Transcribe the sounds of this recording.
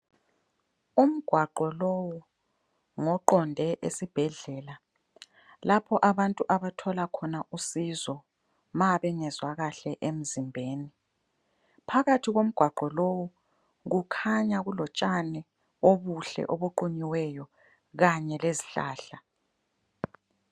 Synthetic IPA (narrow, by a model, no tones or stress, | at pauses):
um̩ɡ̥ʱwaǃɔlɔwɔ | ŋɔǃɔndʱɛʔḛsib̥ʱɛɮɛːla | lapʰɔʔaβantʼuʔaβatʰɔlakʰɔnaʔusizɔ | maβɛŋɛzwaɣaɬɛʔem̩zimbʱeːni | pʰaɣatʰiɣom̩ɡ̥ʱwaǃɔlowɔ | ɣukʰaɲaɣulɔt͡ʃʼanɛ | oβuɬɛ̰ʔoβuǃuɲiwɛjɔ | ɣaɲɛleziɬa̰ːɬa